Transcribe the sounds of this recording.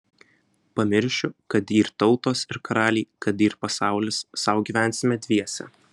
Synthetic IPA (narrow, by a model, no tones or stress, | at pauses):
pɐmʲɪɾʲʃʲʊkɐt̪iːɾt̪ɒʊt̪oːsɪɾkɐɾɑːlʲiːkɐt̪iːɾpɐsɑˑʊlʲɪsːɑˑʊɡʲiːʋʲæˑnʲˑsʲɪmʲɛd̪ʲʋʲiɛsʲɛ̰